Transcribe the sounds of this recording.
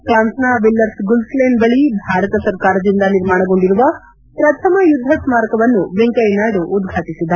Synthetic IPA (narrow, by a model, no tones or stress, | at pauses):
kɾaːnsnaʋilːɐɾsɡulsleːnɖbɐɭibʱaːɾɐt̪ɐsɐɾkaːɾɐd̪ind̪ɐniɾmaːɳɐɡo̞ɳɖiɾuʋɐ | pɾɐt̪ʰɐmɐjud̪ʱːɐsmaːɾkɐʋɐnːuʋeŋkɐjnaːɖuʔːd̪ɡʱaːt̪isid̪ːɐ